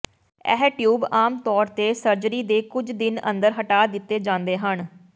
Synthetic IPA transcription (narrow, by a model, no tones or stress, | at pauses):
ɛ̰ɦʈjuːbaːmt̪ɔːɾt̪eːsəɾd͡ʒɾiːd̪eːkʊd͡ʒd̪ɪnə̰̃nd̪əɾɦəʈaːd̪ɪt̪ːeːd͡ʒãːnd̪eːɦən